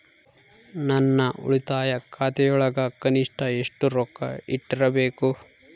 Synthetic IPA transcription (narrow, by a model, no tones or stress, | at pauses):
nɐnːɐʔṵɭit̪aːjɐkʰaːt̪ɛjɔɭɐɡɐkɐniʂʈɐeʂʈuɾɔkːɐ̰iʈːiɾɐbe̞ːku